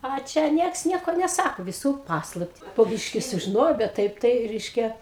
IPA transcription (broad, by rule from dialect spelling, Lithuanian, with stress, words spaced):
ɐ ˈt͡ʃʲɛ ˈnʲiɛks ˈnʲiɛkoː nʲɛˈsɑːkoː ʋʲɪˈsuː ˈpɑːslˠɐpʲtʲɪ poː ˈbʲiːʃʲkʲɪ sʊʒʲɪˈnoːjɛʊ bʲɛt ˈtɐɪp ˈtɐɪ ˈrʲɛɪʃʲkʲɛ